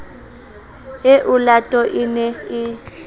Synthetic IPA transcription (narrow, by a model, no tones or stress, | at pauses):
ɪʔʊlatʼɔʔɪnɛɪ